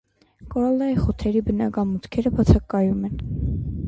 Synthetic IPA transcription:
kɔɾɑlɑjiχɔt̪ʰɛɾibənɑkɑmut̪kʰɛɾəbɑt͡sʰɑkɑjumɛn

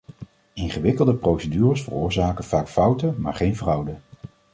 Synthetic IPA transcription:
ɪnχəʋɪkəlˠdəprowsədyːrəsfə̰rʊːɹzaːkəv̥aːkfʌwtəma̰ːɹχejnvrʌwdə

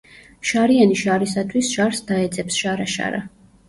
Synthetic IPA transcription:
ʃaɾianiʃaɾisat̪ʰwisʃaɾsd̪aɛd̪zɛpsʃaɾaʃa̰ɾa̰

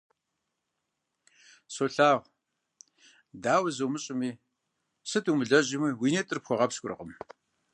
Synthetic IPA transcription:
soɬaːʁʷ | daːwɐzuwmɨɕʼɪmiː | sɨtʰʼuːmɨɮɐʑɪmiːwiːnetʼɨrpxʷɔʁɐpskʷʊ̰rɨ̰qəm

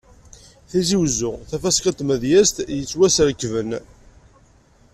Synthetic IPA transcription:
θiziwzʊθæfæskɑt̪mæðjæst̪jət͡sːwæsɾəkːvən

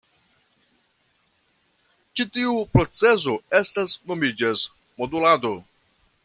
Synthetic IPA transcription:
t͡ʃitiupɾo̞t͡se̞s̬oestasno̞mid͡ʒas | modulado

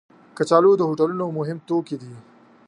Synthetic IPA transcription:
kət͡ʃaːlod̪əɦoʈɐlunomʊɦɪmt̪okid̪i

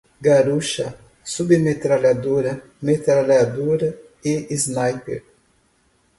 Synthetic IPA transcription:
ɡaɾuʃɐ | subemet̪ɾalad̪oɾɐ | met̪ɾalad̪uɾɐ | eiznajpḛɾ

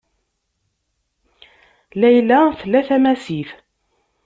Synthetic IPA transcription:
læjlæθlːæθæmæsiθ

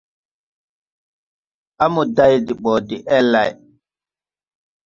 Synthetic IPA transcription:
ʔamudajdiɓɔːdiʔɛlːaj

